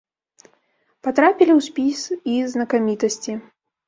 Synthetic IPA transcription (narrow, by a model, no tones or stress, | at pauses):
pat̪ɾapʲilʲiwsʲpʲisiznɐkamʲit̪ɐsʲt͡sʲi